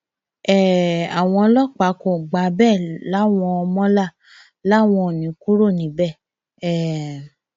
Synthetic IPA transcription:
ɛ˦˨a˨w̃ɔ̃˧lɔ˦˨k͡pa˨˦kɔ̃˨ɡ͡ba˨˦bɛ˦˨la˨˦˨w̃ɔ̃˧ɔ˧mɔ̃˦la˦˨ | la˨˦˨w̃ɔ̃˧˨nĩ˨˦ku˦ɾo˦˨nĩ˨˦bɛ˦˨ | ɛ˦˨

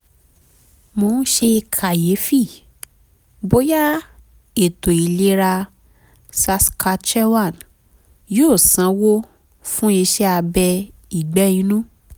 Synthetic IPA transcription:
mo˧nũ˦ʃe˧kʰa˨je˨˦fi˦˨ | bo˦ja˦ | e˨to˨i˨le˧˦ɾa˧ | sa˧ska˧t͡ʃɛ˦wa˦˨n | joː˦˨sã˨˦wo˦ | fũ˦i˧ʃɛ˦a˧bɛ˧i˨ɡ͡bɛ˦ĩ˧˦nũ˦

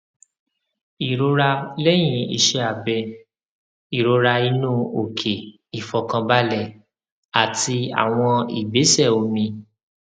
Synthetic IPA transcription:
i˨ɾo˧ɾa˧lɛ˦j̃ĩ˨˧ḭ˧ʃe˧a˨bɛ˧ | i˨ɾo˧ɾa˧i˧nũ˦o˨kʰe˨ | i˨fɔ˨kã˧ba˦lɛ˦˨ | a˨ti˧a̰˨w̃ɔ̃˧ḭ˨be˨˦sɛ˦˨o˨˧mĩ˧

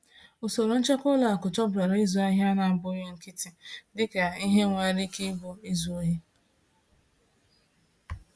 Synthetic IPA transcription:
ʊ˨so˨ɾʊ˨n̩˦t͡ʃe˦kʊ˦la˨a˨kʊ˨t͡ʃɔ˦bɾa˨ɾa˦i˦zu˨a˦ɦa˦na˨bʊ˦je˦ŋ̩˨ki˦ti˨dɪ˦ke˨i˦ɦe˦ŋʷe˨ɾi˦ki˦bʊ˦i˦zu˨o˦ɦi˦

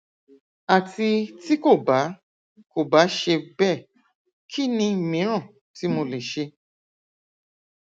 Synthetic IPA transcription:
a˨ti˧ti˦ko˦˨ba˨˦ | ko˦˨ba˨˦ʃe˧bɛ˦˨ | kʰi˦nĩ˧˨mĩ˨˦ɾ̃ã˦˨ | ti˨˦mo˧le˨ʃe˧

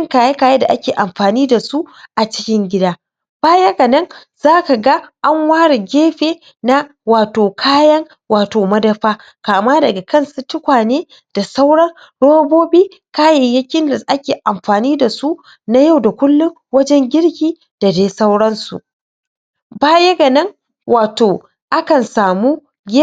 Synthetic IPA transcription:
ɐ˦ŋkaː˨ja˦kaː˨ja˦da˨ʔa˦kʲeː˨ʔa˨mɸaː˨niː˦da˨su˦ʔa˨t͡ʃɪ˦kʲɪ˦ŋɡʲɪ˦daː˦ | b̥aː˦jɐ˦kɐ˨nɐ˦ŋ | zaː˦ka˨ɡa˦ʔa˦ŋwaː˦ɽe˨ɡʲeː˦ɸeː˨ | na˦ | waː˨toː˨kʰaː˦jɐ˦ŋ | waː˨toː˨mɐ˦dɐ˦ɸaː˦ | kaː˨maː˦dɐ˨ɡa˨kɐ˦nsu˦tʊ˦kʷaː˨neː˦ | d̥a˨sa˦wɽɐ˦n | ɽoː˦boː˦biː˦ | kaː˦jɐ˨jɐ˦kʲɪ˦nda˨sʔa˦kʲeː˨ʔa˨mɸaː˨niː˦da˨su˦ | na˦ja˦˨wda˨kʷʊ˦lːʊ˦ŋwɐ˦d͡ʒɛ˦ŋɡʲɪ˦ɽkʲiː˨ | d̥a˨deː˦sa˦wɽɐ˦nsṵ˨ | baː˦jɐ˦ɡɐ˨nɐ˦ŋ | wʔaː˨toː˨ | ʔa˦kɐ˨nsaː˨muː˦ | ɡʲe˦

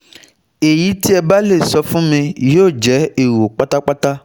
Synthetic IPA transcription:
e˨ji˦t̪ʰi˦ɛ˨ba˦le˨sɔ˨fũ˦me˨jo˦˨d͡ʒɛ˨˦e˨wo˨k͡pa˦t̪a˦k͡pa˦t̪a˦

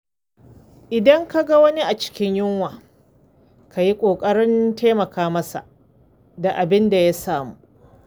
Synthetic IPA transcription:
ʔɪ˨dɐ˦ŋka˦ɡa˦wɐ˦ni˦ʔa˨t͡ʃɪ̥˦kʲɪ˦ɲjʊ˦ŋwaː˨ | ka˨ji˦kʷʼoː˨kʼɐ˦ɽɪ˦nteː˦mɐ˨kaː˦mɐ˦sa̰˨ʔ | da˨ʔa˨bɪ˦nda˨ja˦saː˨muː˦

